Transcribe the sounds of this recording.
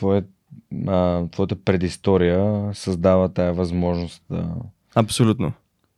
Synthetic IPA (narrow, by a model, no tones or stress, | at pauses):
t̪vɔjə | ət̪vɔjət̪əpɾɛd̪ist̪ɔɾijəsɐzd̪avət̪ajəvɐzmɔʒnost̪̚d̪ə̰ | ɐpsolʲut̪no